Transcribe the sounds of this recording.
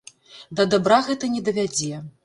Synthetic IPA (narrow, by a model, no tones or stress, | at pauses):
d̪ɐd̪abɾaɣɛt̪ɐnʲɛd̪ɐvʲad͡zʲɛ